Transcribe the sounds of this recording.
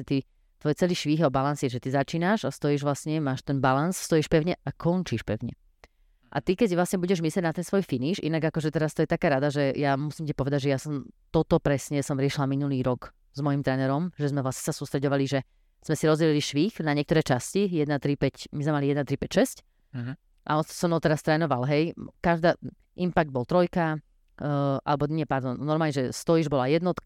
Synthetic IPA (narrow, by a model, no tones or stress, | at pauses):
ɛt̪i | t̪ʋɔjt͡sɛliʃʋiːxɛbalansɛʒɛt̪izat͡ʃiːnaʃast̪ɔjiʒʋlasɲɛmaːʃt̪ɛnbalansst̪ɔjiʃpɛʊɲɛakʰɔnt͡ʃiːʃpɛ̰ʊɲɛ̰ | ʔa̰t̪ikɛɟʋlasɲɛbuɟɛʒmislɛɟnat̪ɛnsʋɔjfiniʃʔḭnaɡakɔʒɛt̪ɛɾast̪ɔjɛt̪akaːɾad̪aʒɛjamusimcipɔʋɛd̪aɟʒɛjasɔmt̪ɔt̪ɔpɾɛsɲɛsɔmɾɪɛʃilaminuliːɾɔɡ | zmɔjimt̪ɾɛːnɛɾɔmʒɛzmɛvlasɲɛsasuːst̪ɾɛɟɔʋaliʒɛ | z̥mɛsiɾɔzɟɛliliʃʋiːxnaɲɪɛkt̪ɔɾɛːt͡ʃascijɛd̪nat̪ɾipɛcmizmɛmalijɛd̪nat̪ɾipɛcʃɛsc | ʔa̰ɔnsɔmɔt̪ɛɾast̪ɾɛːnɔʋalɦɛjkaʒd̪aː | ʔimpaɡ̚d̪̚bɔlt̪ɾɔjka | ʔa̰lɛbɔɲɪɛpaɾd̪ɔnnːɔɾmalɲɛʒɛst̪ɔjiʒbɔlajɛd̪nɔt̪k